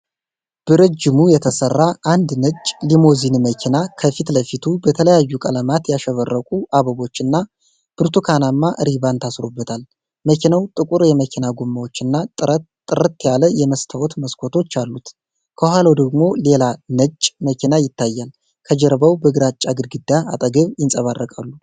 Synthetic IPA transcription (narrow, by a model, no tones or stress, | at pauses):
b̥ɨɾəd͡ʒːɪmujɛt̪ʰəsərːaʔand̪nəd͡ʒʼlimo̞zinməkʰinakʰəfit̪ləfit̪ʰubət̪ʰələjajːukʼələmat̪jaʃɛβərːəkʼuʔaβəβo̞t͡ʃːɨnːa | b̥ɨɾt̪ʰukʰanamːaʔɨɾiβant̪ʰasɾobːət̪ʰal | məkʰinəwt̪ʼɨkʼuɾjɛməkʲʰinaɡomːawo̞t͡ʃːɨnːa | ɨɾət̪ːjaləjɛməst̪ʰawɔt̪məskʷʰo̞t̪ʰo̞t͡ʃːalːut̪ | kʰəhʷalawd̪əɡmo̞le̞lanət͡ʃʼːməkʲʰinajɪt̪ʰːajːal | kʰəd͡ʒɛɾbawbəɡɾat͡ʃʼːaɡɨɾɡɨd̪ːaa̰t̪ʼəɡəβjɪnsʼəβarːəkʼalːu